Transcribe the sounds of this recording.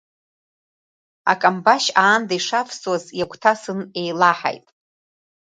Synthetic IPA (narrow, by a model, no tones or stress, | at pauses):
a̰kʼambaʃaːndaiʂapʰswazjakʷʰʼtʰasɨnejlaħa̰jtʼ